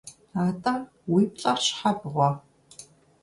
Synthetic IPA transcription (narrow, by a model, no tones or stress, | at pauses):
aːtʼɐ | wiːpʼɬʼɐrɕħabɨʁʷɔ